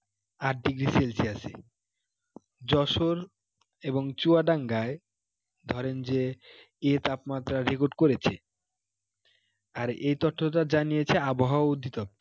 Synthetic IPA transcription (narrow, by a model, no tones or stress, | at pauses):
aʈ̚ɖiɡɾiselsiasʰe | d͡ʑɔʃoɾ | eboŋt͡ɕuaɖaŋɡae | d̪ʱɔɾend͡ʑe | et̪apmat̪ːɾaɾekoɾɖkoɾet͡ɕʰe | aɾejt̪ɔʈʰːot̬ad͡ʑanijet͡ɕʰeaboɦaod̪ʱːit̪o